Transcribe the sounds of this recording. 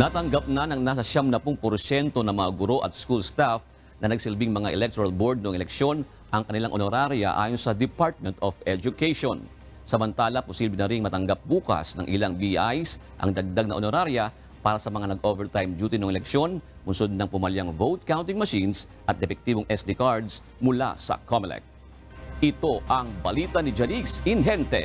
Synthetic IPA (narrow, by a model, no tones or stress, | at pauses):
nat̪ɐŋɡap̚nɐnɐŋnaːs̬ɐʃamnɐpʊŋpoɾsɛnt̪o̞nɐŋmɐŋaɡʊɾo̞ʔɐt̪̚skulst̪af | nɐnɐɡsɪlbɪŋmɐŋaʔɛlɛk̚t̪oɐlbo̞ɹd̪̚noʔŋʔɛlɛkʃo̞n | ʔɐŋkɐnɪlaŋʔonoɾaɾjɐ̰ʔa̰ːjonsɐd̪ɪpaɹt̪̚mɛnt̪ofɛd͡ʒʊkejʃon | sɐmɐnt̪aːlɐpʊsiblɪnɐɾiŋmɐt̪ɐŋɡap̚buːkɐ̰snɐŋʔɪlaŋbiajs | ʔɐ̰ŋd̪ɐɡ̚d̪aɡ̚nɐ̰ʔonoɾaɾjɐ | paːɾɐsɐmɐŋanɐɡʔovɛɹt̪ajmd͡ʒuːt̪inoʔŋʔɛlɛkʃo̞n | mʊnsod̪̚nɐŋpʊmɐljaŋvowt̪̚kawnt̪ɪŋmɐʃins | ʔɐt̪dɛpɛk̚t̪iːboŋʔɛsd̪ikaɹd̪s | mʊla̰sɐ̰kʰomlɛ̰k̚t̪̚ | ʔɪt̪o̞ʔɐŋbɐliːt̪ɐnɪd͡ʒɐnisɪnɦɛnt̪ɛ̰